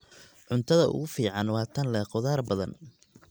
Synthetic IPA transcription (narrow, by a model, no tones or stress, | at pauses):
ʕʊnt̪ʰɐðɐʔʊ̰ɣʊfiːʕɑnwɑːt̪ʰɐnlɛːqɔðaːrbɐðɐ̰n